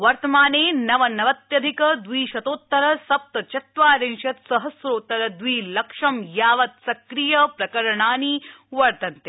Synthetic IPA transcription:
ʋɐɾt̪ɐmaːneːnɐʋɐnɐʋɐt̪jɐd̪ʱikɐd̪ʋiːʃɐt̪oːt̪ːɐɾɐsɐp̚t̪ɐt͡ʃɐt̪ʋaːɾeŋʃɐt̪sɐɦɐsɾoːt̪ːɐɾɐd̪ʋiːlɐkʂɐmjaːʋɐt̪sɐkɾijɐpɾɐkɐɾɐɳaːniʋɐɾt̪ɐnt̪e

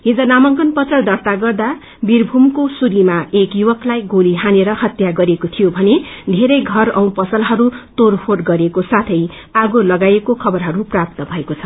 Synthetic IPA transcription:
ɦĩd͡zʌnamʌŋkʌnpʌt̪rʌd̪ʌrt̪aɡʌrd̪a | birbʱumkosuɾimaekjuwʌklajɡoliɦaneɾʌhʌt̪jaɡʌɾekot̪ʰijobʱʌned̪ʱeɾʌjɡʱʌrʌw̃pʌsʌlɦʌɾut̪orpʰoʈɡʌɾekosat̪ʰʌj | aɡolʌɡajekokʰʌbʌrɦʌɾuprap̚t̪ʌbʱʌekot͡sʰʌ̥

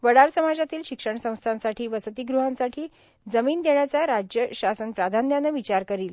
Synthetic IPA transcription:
ʋəɽaɾsəmad͡zat̪iːlɕikʂəɳsə̃w̃st̪ʰãnsaʈʰiːʋəsət̪iːɡɾuɦãnsaʈʰiː | d͡zəmiːnd̪eɳjat͡saɾad͡ʑjəɕasənpɾad̪ʱanjanːəʋit͡ɕaɾkəɾiːl

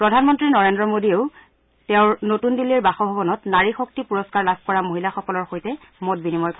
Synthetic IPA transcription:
pɹɔdʱanmɔntɹinɔɹendɹɔmodieʊ | tɛʊ̃ɹnotundilːiɹbaxɔbʱɔbɔnɔtnaɹixok̚tipuɹɔskaɹlab̚ʱkɔɹamoɦilaxɔkɔlɔɹxojtɛ | mɔt̚binimɔjk

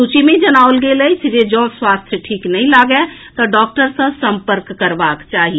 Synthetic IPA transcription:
sut͡ʃimẽid͡ʒənaːwlɡeleisd͡ʒed͡ʒɔ̃swast̪ʰjəʈʰiːknəɦĩlaɡɛ | t̪ɔɖɔk̚ʈəɾsə̃sə̃mpəɾkːəɾbakt͡ʃaːɦi

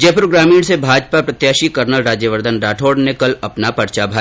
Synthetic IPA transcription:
d͡ʒeːpɾoːɡɾaːmiːɽ̃sebʱaːd͡ʒpapɾɐt̪jaːʃikɐɾnəlɾaːd͡ʒjəʋəɾd̪ʱənɾaːʈʰoːɽnekɐlɐpnapɐɾt͡ʃabʱaː

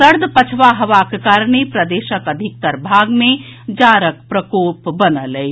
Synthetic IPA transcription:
səɾd̪ʱpət͡ʃʰʋaɦəʋakekaːɾɳ̃epɾəd̪eːʃəkəd̪ʱɪk̚t̪əɾbʱaːɡmẽ | d͡ʒaːɾəkpɾəkoːpbənəle

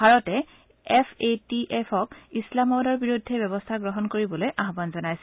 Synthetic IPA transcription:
bʱaɹɔtɛ | ɛpʰetiʔɛpʰɔkislamɔbdɔɹbiɹudʱːɛbɛbɔstʰaɡɹɔɦɔnkoɹibɔlojʔaɦbanzɔnajsɛ

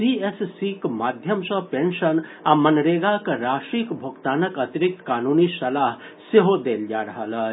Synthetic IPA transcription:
siːessikmaːd̪ʱjəmsɐ̃pẽnʃənamɐnɾeːɡakɾaːʃɾikbʱokt̪aːnəkɐt̪ɪɾɪk̚t̪kaːnuːnisɐlaːɦ | seɦod̪eːld͡ʒaːɾɐɦələ

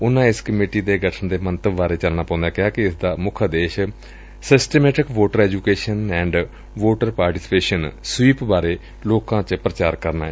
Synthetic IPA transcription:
ʊnãːɪskəmiːʈiːd̪eːɡəʈʰəɳd̪eːmənt̪əbʋaːɾeːt͡ʃəlnaːpãʊ̃nd̪aːkɪaːkɪɪsd̪aːmʊkʰəd̪eːʃ | sɪsʈeːmɛːʈɪkʋoːʈəɾɛːd͡ʒuːkeːʃənɛ̃ːɳɖ | ʋoːʈəɾpaːɾʈiːsɪ̥peːʃənswiːpbaːɾeː | loːkãːt͡ʃəpɾət͡ʃaːɾkəɾnaː

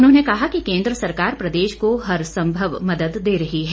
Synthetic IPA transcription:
ʊnɦõːnekɐɦakikẽːnd̪ɾəsɐɾkaːɾpɾɐd̪eːʃkoɦɐɾsɐ̃mbʱəʋmɐd̪əd̪ːeːɾɐɦiɦɛː

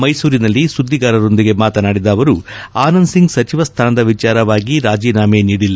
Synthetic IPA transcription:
mɐjsuːɾinɐlːisud̪ʱːiɡaːɾɐɾo̞nd̪iɡe̞maːt̪ɐnaːɽid̪ɐːʋɐɾu | aːnɐnsiŋɡsɐt͡ʃiʋɐst̪ʰaːnɐd̪ɐʋit͡ʃaːɾɐʋaːɡiɾaːd͡ʒiːnaːmeniːɽilːɐ

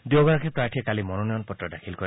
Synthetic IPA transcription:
diɔɡɔɹakʰɛpɹaɹʈʰiɛkalimɔnɔnɔjɔnpɔtɹɔdakʰilkɔɹi

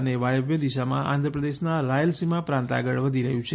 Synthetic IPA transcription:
neʋajəʋjəd̪iʃamã̰ʔa̰nd̪ʱɾəpɾəd̪eʃnaɾajəlsimãpɾãnt̪a̰ɡəɭʋəd̪ʱiɾəɦũt͡ʃʰe

